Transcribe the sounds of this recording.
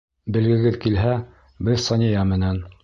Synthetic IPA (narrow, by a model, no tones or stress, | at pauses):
bɘ̆lɡɘ̆ɡɘðkilɦæ | bɘðsɑnʲijɑmɘ̆næn